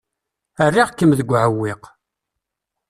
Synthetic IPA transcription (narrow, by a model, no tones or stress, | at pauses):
ərːiʁkːəmðəɡʷʕəwːɪq